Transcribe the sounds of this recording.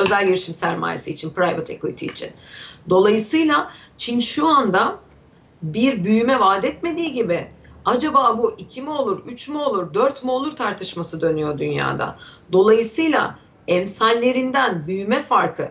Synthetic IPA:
ø̞zælʲɟiɾiʃimsæɾma̰ːjesiːt͡ʃʰinpɾajvot̪ʰe̞̰kʰoḭt̪ʰḭːt͡ʃʰḭnd̪o̞lˠajɯsɯjlˠa | t͡ʃʰinʃuand̪a | biɾbyjymɛvaːd̪ɛt̪me̞d̪iːɟibɪad͡ʒabaːbuʔicʰimɛo̞lˠuɾyt͡ʃmoolˠuɾd̪øɾt̪molˠuɾt̪ʰaɾt̪ʰɯʃmasɯd̪ø̞nyjo̞d̪ynja̰ːd̪a̰d̪o̞lˠajɯsɯjlˠa̰ | ɛmsalʲːe̞ɾind̪ænbyjymɛfaɾkʰɯ

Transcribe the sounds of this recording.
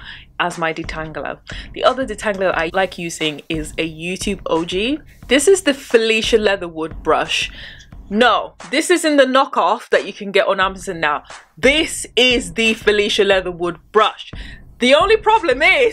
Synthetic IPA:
ʔəzmaɪdɪtʰãŋɡlə̰ðḭʔʌðədɪtʰãŋɡləðəʔa̰ɪlaɪkʰjɨsɪ̃ŋɪzəjʉːtʰʉːbo̰ʊd͡ʒiðɪsɪzðəfɪliˑʃəlɛðəwʊd̚bɹʌ̰ʃ | noʊðɪsɪzɪ̃nðənɒkɔfðət͡ʃəkʰə̃nɡɛʔn̩amzə̃nːaʊðɪsɪzðɨfɪliˑʃəlɛðəwʊd̚bɹʌʃðiõʊ̃nlipʰɹ̥ɒblə̃mɪz

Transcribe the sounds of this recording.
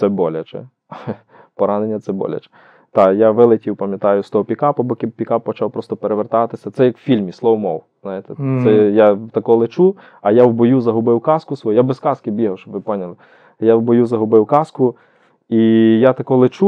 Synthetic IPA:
t̪sɛbɔlʲɐt͡ʃɛ̰ | pɔɾɑnenʲːɐt̪sɛbɔ̰lʲɐ̰t͡ʃɛ̥ | t̪ɑjaʋɪlˠɪtʲiwpɐmjɐt̪ɑjʊst̪ɔɦɔpʲikɑpɐbɔkʲɪpʲikɑp̚ːɔt͡ʃɑwpɾɔst̪ɔpeɾeʋert̪ɑt̪ɪsʲɐt̪sɛjɐkwfʲilʲmʲislˠɔwɔmɔ̰wz̥nɑjet̪ɛsɛjat̪ɐkɔlˠɪt͡ʃu | ɐjawbɔjuzɐɦʊbɪwkɑskʊsʋɔjujabeskɑskɪbʲiɦɐwʃt͡ʃɔbʋɪpɔnʲɐlˠɪ | jawbɔjuzɐɦʊbɪwkɑskʊ | ijat̪ɐkɔlˠɪt͡ʃu

